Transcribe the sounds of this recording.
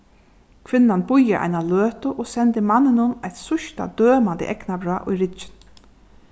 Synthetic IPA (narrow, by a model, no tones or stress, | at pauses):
kʰʋɪnːanbʊjːaʔa̰jnaløːt̪ʊʔoːsɛnt̪ɪmanːɪnʊnajt̪sʊʃt̪a̰d̪øːmant̪ɪ̰ʔɛknabɾɑ̰ːʔʊ̰jɾɪt͡ʃɪ̥n